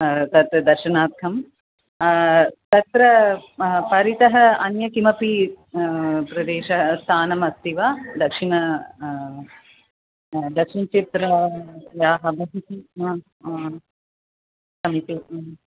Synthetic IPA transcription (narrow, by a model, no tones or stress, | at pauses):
t̪ɐt̪d̪ɐɾʂɐnaːt̪̚kʰɐm | t̪ɐt̪ɾɐ | pɐɾit̪ɐɦɐɐnjɐkimɐpi | pɾɐd̪eːʃɐst̪ʰaːnɐmɐst̪iʋaːd̪ɐkʂinɐ | d̪ɐkʂint͡ʃet̪ɾɐjaːɦɐʋɐɦit̪iɐ | sɐmit̪i